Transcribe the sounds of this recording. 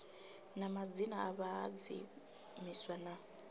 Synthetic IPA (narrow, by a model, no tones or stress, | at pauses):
namad͡zinaaβaad͡zḭ | miswana